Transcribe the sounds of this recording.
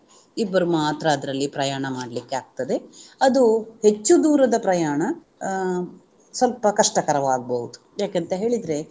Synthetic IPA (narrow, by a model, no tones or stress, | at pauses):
ibːɐɾumaːt̪ɾɐːd̪ɾɐlːipɾɐjaːɳɐmaːɽlikːeaːɡ̚t̪ɐd̪e̞ɐd̪uhe̞t͡ʃːud̪uːɾɐd̪ɐpɾɐjaːɳɐ | sɐlpɐkɐʂʈɐkɐɾɐʋaːɡ̚bɐɦud̪u̥jaːkent̪ɐɦe̞ːɭid̪ɾe̞